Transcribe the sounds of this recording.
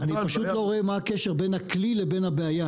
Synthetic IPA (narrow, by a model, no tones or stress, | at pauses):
anipaʃut̪lo̞ʁoemaakeʃeʁbenhaklilebe̞nabeaja